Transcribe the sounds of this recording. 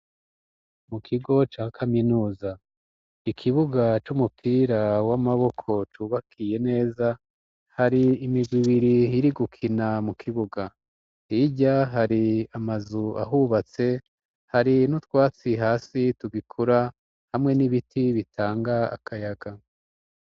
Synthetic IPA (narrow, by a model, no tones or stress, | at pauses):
mukʰiɡo̞t͡ʃakʰaminuːza | ikʰiβuɡat͡ʃumupʰiːɾawamaβo̞kʰo̞t͡ʃuːβakʰije̞ne̞ːza | haɾiːmiɡwiβiɾiiɾiɡukʰinamukʰiβuɡa | iɟaɦaɾiamazua̰ɦuβat͡se̞ | haɾinutwaːt͡siɦaːsituɡikʰuɾa | hamŋe̞niβitʰiβitʰaːŋɡaa̰kʰajaɡ̥a